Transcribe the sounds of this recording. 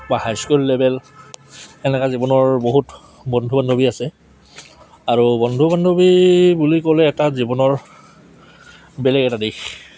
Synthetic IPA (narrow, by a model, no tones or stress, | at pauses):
bahajskulːɛbɛl | ɛnɛkazibɔnɔɹboɦut | bɔndʱubandʱobiasɛ | aɹubɔndʱubandʱobibulikolɛːtazibɔnɔɹ | bɛlɛɡɛtadix